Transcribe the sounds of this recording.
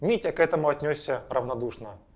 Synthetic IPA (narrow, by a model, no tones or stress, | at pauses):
mʲitʲɐkɛt̪əmʊɐt̪ʲnʲosʲːərəvnɐd̪uʂnə